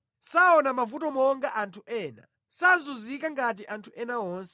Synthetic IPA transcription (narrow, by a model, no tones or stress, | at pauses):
saɔnamavutɔmɔŋɡaʔantʰuʔɛːna̰ | sazuzikaŋɡat̬iʔantʰuʔɛnaɔːnsɛ